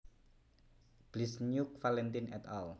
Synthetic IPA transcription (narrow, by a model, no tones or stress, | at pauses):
b̥lisɲuk̚falɛnt̪inɛ̰t̪ɔl